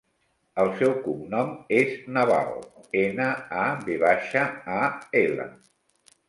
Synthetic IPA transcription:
əlˠsɛwkumnɔmeznəβa̰lˠenəaβeβaʃəaelə̰

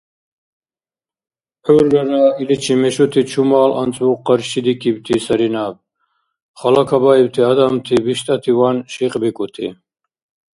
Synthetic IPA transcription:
ħuɾːaɾailit͡ʃʰimɛʃut̪ʰit͡ʃʰumaːla̰nt͡sʼvuqːaɾʃid̪ikʰibt̪ʰisaɾinab̚ | χalakʰabaibt̪ʰiad̪amt̪ʰibiʃt̪ʼat̪ʰivanʃiqʼbikʼut̪ʰḭ

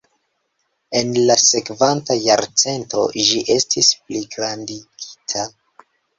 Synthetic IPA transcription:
e̞nlase̞kvantajaɾt͡se̞nto̞̰ʒiʔe̞stʰispliɡɾandiɡ̥i̥tʰa

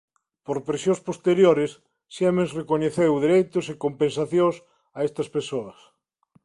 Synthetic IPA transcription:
poɾpɾesjõnspost̪eɾjoɾɪsː | emẽnsrekoɲeθewðeɾejt̪osekompẽnsaθjõs | aest̪ɐspesoɐs

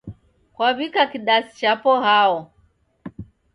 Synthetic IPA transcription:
kwaβikakiɗasi̥t͡ʃapɔhaɔ

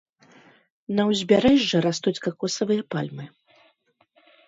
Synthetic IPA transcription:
nɐwzʲbʲaɾɛʐːɐɾast̪ut͡sʲkakɔsɐvɨjɐpa̰lʲmɨ

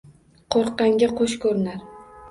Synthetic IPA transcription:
qʰoɾqːɑŋɡʲaqʰoʃkʰɵɾɪnaɾ

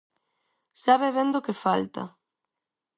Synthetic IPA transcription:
saβeβend̪okefa̰lt̪ɐ̰

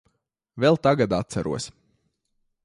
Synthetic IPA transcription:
vɛlˠt̪aɡad̪at̪̚t̪sæɾʔṵɔsʲ

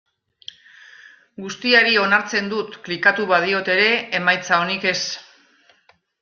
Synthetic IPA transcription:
ɡust̪iaɾio̞naɾt͡se̞nd̪ut̪klikat̪uβað̞io̞t̪e̞ɾe̞ːmajt͡sao̞nike̞s

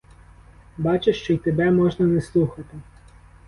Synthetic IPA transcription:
bɑt͡ʃeʃt͡ʃɔjt̪ebɛmɔʒnɐneslˠuxɐt̪ɪ

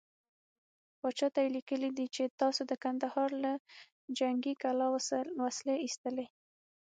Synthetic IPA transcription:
pɑt͡ʃɑt̪ajelikəlid̪it͡ʃet̪ɑsod̪əkand̪ahɑɾla | d͡ʒaŋɡikalɑwwasleist̪əle

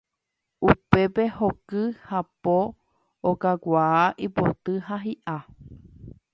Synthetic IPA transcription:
upe̞pe̞hokɨhapoː | kakʷaːʔipo̰t̪ɨhaɦiʔa

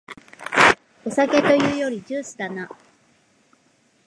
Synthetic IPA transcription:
o̞sake̞t̪o̞jɯ̟ːjo̞ɾʲid͡ʑɨːsɨ̥d̪ana

